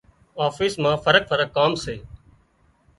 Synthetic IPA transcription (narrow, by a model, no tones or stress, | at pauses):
aːfiːsmãːfəɾək̚fəɾəkːaːmseː